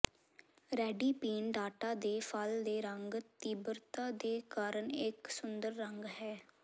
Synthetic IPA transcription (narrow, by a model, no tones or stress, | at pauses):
ɾɛːɖiːpiːnɖaːʈaːd̪eːpʰəld̪eːɾəŋɡt̪iːbəɾt̪aːd̪eːkaːɾəɳɪksʊnd̪əɾːəŋɡɦɛː